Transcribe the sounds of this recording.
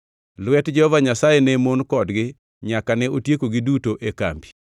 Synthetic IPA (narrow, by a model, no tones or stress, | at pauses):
lwɛtd͡ʒɛhɔvaɲasajenɛmonkɔdɡɪ | ɲakanɛotjekoɡɪdutoʔeka̰mbi̥